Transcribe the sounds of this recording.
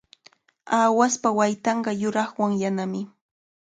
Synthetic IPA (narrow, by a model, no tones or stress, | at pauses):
aːwaspawajt̪ɑɴɢɑjʊɾɑχwaŋjanamɪ